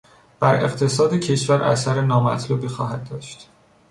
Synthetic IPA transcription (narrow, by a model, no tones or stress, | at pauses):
b̥æɾe̞̰ɣt̪ʰe̞sɒːd̪ecʰe̞ʃvæɾʔæ̰sæɾenɒːmæt̪ʰluːbixɒːhæd̪̚ːɒːʃt̪